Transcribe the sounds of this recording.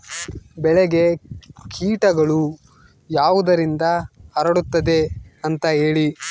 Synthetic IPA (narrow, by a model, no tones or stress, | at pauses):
bɛɭɛɡe̞kʰiːʈɐɡɐɭu | jaːʋud̪ɐɾind̪ɐɐɾɐɽut̪ːɐd̪eɐnt̪ɐɦe̞ːɭi